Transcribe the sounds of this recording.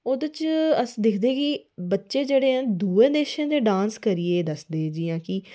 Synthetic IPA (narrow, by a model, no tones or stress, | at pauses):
oːd̪ət͡ʃəsd̪ɪkʰd̪eːkibətːʃeːd͡ʒeːɽeːɦɛ̃nd̪uːẽːneːʃãːd̪eːɖãːnskəɾieːd̪əsd̪eːd͡ʒiːjãːki